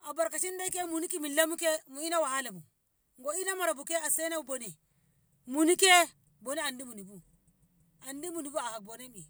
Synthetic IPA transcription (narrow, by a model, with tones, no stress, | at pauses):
a˨ba˨ɾka˨ʃi˦nda˦i˦ke˦mu˨ni˦ki˦mi˨lːa˦mu˦ke˦mu˨i˦na˦wa˨ha˦la˨mu˨ | ŋɡo˨i˦na˦ma˨ɾa˨bu˨ke˦a˨se˦na˦u˨bo˨ni˨ | mu˨ni˦ke˦ | bo˨ni˦a˨ndi˦mu˨ni˨bu˦ | a˨ndi˦mu˨ni˨bu˦a˨ha˨k̚bo˨ne˦bi˨